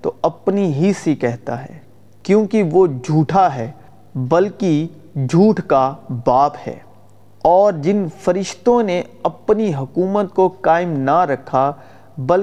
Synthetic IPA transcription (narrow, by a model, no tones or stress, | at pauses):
t̪o̰ɐpniɦisikɛɦt̪a̰ɦɛ̰ː | kjõːkiʋod͡ʒʱuːʈʰaɦɛː | bɐlki | d͡ʒʱuːʈʰkabaːphɛ̰ː | ɔːɾd͡ʒɪnfɐɾɪʃt̪õneɐpniɦʊkuːmət̪kokaːɪmnaɾɐkʰa | bɐl